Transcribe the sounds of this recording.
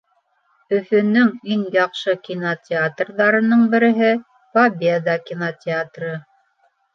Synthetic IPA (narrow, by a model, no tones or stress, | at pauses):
ɵ̆fɵ̆nɵŋiŋjɑqʃɤkʲinotʲɪat̪rðɑɾɤ̆nɤɴbɘ̆ɾɘ̆ɦɘ | fabʲed̪ɑkʲinotʲɪat̪rɤ